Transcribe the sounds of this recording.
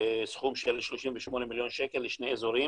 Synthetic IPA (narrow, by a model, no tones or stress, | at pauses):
esχumʃelʃloʃimveʃmonemiljo̞nʃekelːeʃneezoɾi